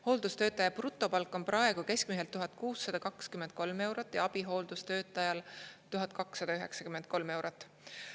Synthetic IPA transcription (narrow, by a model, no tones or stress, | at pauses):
ho̞ːld̪̥ust̪ø̞ːt̪ːˑɑjɑprut̪ːˑo̞pɑlkːˑo̞nprʔɑe̞ɡ̥uke̞skmiɦelt̪uɦɑt̪̚kuːsːɑd̪̥ɑkɑkskymend̪̥̚ko̞lme̞wɾot̪ːˑjɑɑb̥iɦo̞ːld̪̥ust̪ø̞ːt̪ːˑɑjɑlt̪uɦɑd̪̥̚kɑksːɑd̪̥ɑyɦe̞ksɑ̥kymend̪̥̚ko̞lme̞wɾot̪ːˑ